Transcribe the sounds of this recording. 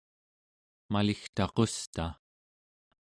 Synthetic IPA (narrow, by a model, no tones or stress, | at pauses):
malixt̪ɑqost̪a